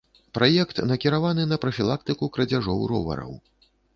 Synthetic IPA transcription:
pɾajɛkt̪nɐkʲiɾavanɨnɐpɾɐfʲilˠak̚t̪ɨkukɾɐd͡zʲaʐɔwɾɔ̰vɐ̰ɾɐ̰w

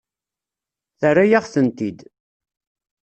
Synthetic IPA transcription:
θərajaʁθənt̪id̪

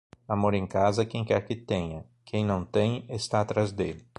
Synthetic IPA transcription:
amoɾẽkazɐkẽj̃kɛɾkɪt̪ẽɲɐ | kʰẽj̃nɐ̃w̃t̪ẽj̃est̪aːt̪ɾazd̪elɪ

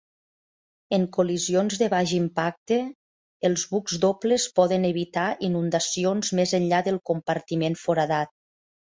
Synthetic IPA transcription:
əŋkulizionzðəβaʒimpak̚t̪əː | lˠzβukzd̪opleəspɔðənəβit̪ainund̪asionzmezənʎaðəlˠkumpəɾt̪imenfoɾaðat̪̚

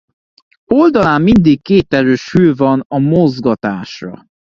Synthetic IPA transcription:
o̞ld̪ɒlaːmːind̪ikkːeːt̪ɛɾøːʃhøːvɒnɒmozɡɒt̪aːʃrɒ̰

